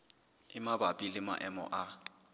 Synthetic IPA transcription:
ɪmabapʼilɪma̰ʔɛmɔ̰ʔa

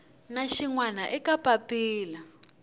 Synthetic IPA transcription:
naʃiŋwanaʔɛkapapiːla

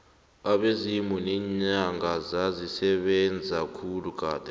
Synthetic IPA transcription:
aɓezimunɛɲaŋɡʱazazisɛɓɛnd͡zʱakʰuluk̬ʰʼaːd̥ʱʼɛ

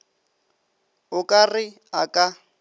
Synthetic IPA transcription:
ʊkʼarɪ | akʼa

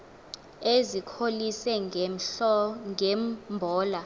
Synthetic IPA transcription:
ezikʰolisɛ | ŋɛmbʱɔːla

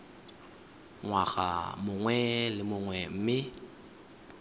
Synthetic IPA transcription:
ŋwaɣa̰mʊŋwɛlɪmʊŋwɛm̩mɪ

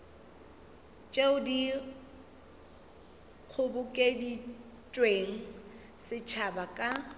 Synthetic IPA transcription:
t͡ʃʼeʊdi | k͡xʰʊbʊkʼedi | t͡ʃʼweŋ̩ | sɪt͡ʃʰabakʼa

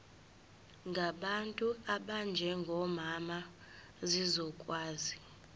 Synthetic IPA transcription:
ŋɡʱaɓantʼuaɓand͡ʒʱɛŋɡʱɔmama | zizɔkʼwaːzi

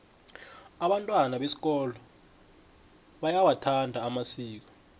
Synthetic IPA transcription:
aɓantʼwanaɓesi̥k̬ʼɔːlɔ | ɓajawatʰandʱaːmasiːk̬ɔ̥

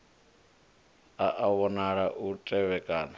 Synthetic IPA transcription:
aʔaβɔnaɺaʔutʼɛβɛkʼaːna

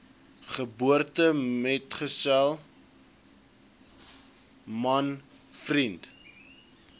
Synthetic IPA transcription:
χəbuərtəmɛtχəsælˠ | mɐn | frint

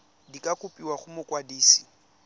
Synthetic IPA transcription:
dikʼakʼʊpʼiwaχʊmʊkʼwadiːsi̥

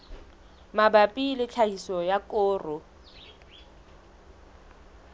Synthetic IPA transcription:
mabapʼilɪt͡ɬʰahisɔjakʼʊːrʊ

